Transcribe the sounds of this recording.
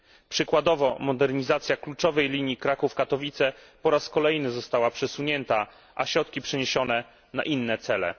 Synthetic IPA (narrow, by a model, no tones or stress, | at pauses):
pʂɘkwad̪ɔvɔmɔd̪ɛɾɲizat̪sʲjaklut͡ʂɔvɛjlʲiɲjikɾakufkat̪ɔvʲit̪sɛ | pɔɾaskɔlɛjnɘzɔst̪awapʂɛsuɲɛnt̪a | ʔaɕɾɔt̪kʲipʂɛɲeɕɔnɛ | na̰ʔinːɛt̪sɛlɛ̰